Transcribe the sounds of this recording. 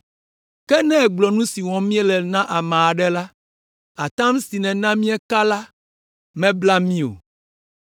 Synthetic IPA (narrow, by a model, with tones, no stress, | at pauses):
kɛ˦nɛ̃˦ɛ˨ɡ͡blɔ˨nũ˦si˨wɔ̃˨mĩ˦ɛ˦lɛ˨nã˦ʔa˨mã˨a˨ɖɛ˦la˦ | a˨t̪ã˦m˦si˨nɛ̃˨nã˦mĩ˦ɛ˦ka˦la˦ | mɛ̃˦bla˦mĩ˦o̰˨